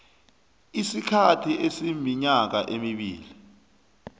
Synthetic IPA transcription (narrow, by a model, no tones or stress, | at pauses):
isikʰatʰiʔesimiɲak̬aʔemiɓḭːli